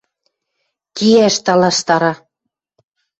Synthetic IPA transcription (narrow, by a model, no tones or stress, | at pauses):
kiæʃt̪ɑlɑʃt̪ɑɾɑ